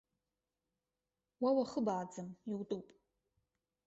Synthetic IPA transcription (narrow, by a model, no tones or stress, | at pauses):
wawaχəbaːd͡zɨmiwtʼupʼ